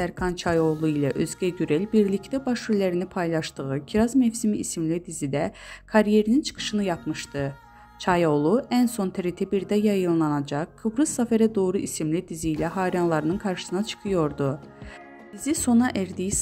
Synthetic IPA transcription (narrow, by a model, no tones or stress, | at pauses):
æɾkʰɑnt͡ʃʰɑjo̞lˠuilʲɛʔøzɟæɟyɾelʲbiɾlʲict̪æbɑʃuɾlʲæɾinipʰɑjlˠɑʃt̪ɯɣɯcʰiɾɑzmefsimiːsimlʲid̪izid̪ɛkʰɑɾije̞ɾinint͡ʃʰɯ̥kʰɯ̥ʃɯnɯjɑpmɯʃt̪ɯ | t͡ʃʰɑjo̞lˠuænso̞nt̪ʰeɾit̪ʰɛbiɾd̪æjɑjɯnlˠɑnɑd͡ʒɑkkʰːɯbɾɯzːɑfæɾɛd̪o̞ːɾuʔisimlʲid̪izijlʲɛɦɑːɾianlˠɑɾɯnɯnkʰɑɾʃɯ̥sɯnɑt͡ʃʰɯ̥kʰɯjo̞ɾd̪u | d̪̥iziso̞nɑʔæɾd̪ijis